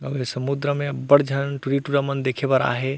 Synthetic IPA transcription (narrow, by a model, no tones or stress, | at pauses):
əbesəmud̪ɾəmebəɽd͡ʒʱənʈuɾiʈuɾamənd̪ekʰebəɾa̰ɦe